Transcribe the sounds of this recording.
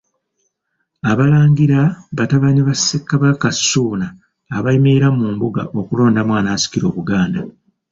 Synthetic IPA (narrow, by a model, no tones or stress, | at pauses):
aβalaːŋɡiɾaβataβaɲiβasekːaβakasːuːnaː | βaimeiɾamuːmbuɡa̰ʔo̞kulo̞ːndamwaːnaːsi̥kiɾo̞ːβuɡaːnda